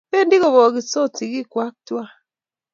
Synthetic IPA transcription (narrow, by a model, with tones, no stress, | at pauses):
pe˦ndi˦ɣo˨βɔ˨ɣi˨so˦ti˨ɣi˦kwa˦k̚twa˦